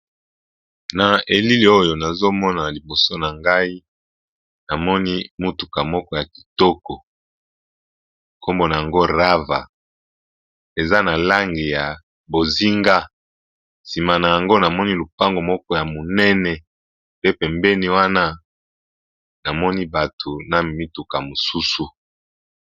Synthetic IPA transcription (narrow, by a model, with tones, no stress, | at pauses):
na˨e˨li˦li˨o˦jo˨na˨zo˦mɔ˦na˨li˨bo˨so˦na˨ŋɡa˦i˦ | na˨mɔ˦ni˦mu˦tu˨ka˨mɔ˦kɔ˦ja˨ki̥˨tɔ˦kɔ˨ | ko˦mbo˨na˨ja˨ŋɡo˦ʁa˦va̰˨ | e˨za˦na˨la˦ŋɡi˨ja˨ | bo˨zi˦ŋɡa˦ | si˨ma˨na˨ja˨ŋɡo˦na˨mɔ˦ni˦lu˨pa˦ŋɡo˨mɔ˦kɔ˦ja˨mo˨nɛ˦nɛ˨ | pe˦pɛ˨mbɛ˦ni˦wa˦na˦ | na˨mɔ˦ni˦ba˨tʰo˨na˨mi˦tu˨ka˨mo˨su˦su˨